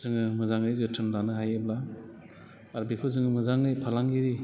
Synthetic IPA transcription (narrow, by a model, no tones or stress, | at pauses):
zɯŋɯmɯzaŋɾɯjzɯtʰɯnlanɯɦajebla | ɾbikʰɯzɯŋɯmɯzaŋɯjpʰalaŋɡiɾi